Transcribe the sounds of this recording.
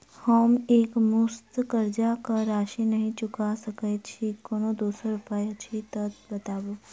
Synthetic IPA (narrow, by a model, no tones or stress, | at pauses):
həmeːkmʊst̪kəɾd͡ʒakaɾaːʃinɐɦĩt͡ʃʊkasəkɛt͡ʃʰikoːnod̪oːsəɾʊpajat͡ʃʰit̪ət̪̚bət̪aːbo